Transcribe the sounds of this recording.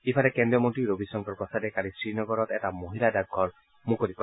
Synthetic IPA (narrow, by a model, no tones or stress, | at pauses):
ifʰaɾɛkɛndijɔmont̪iɾobisɔŋkɔɹpɔsadɛkalisɹinɔɡɔɾɔt̪ɛtamoɦiladaɡʱːɔɹ | mũkoɾipɔ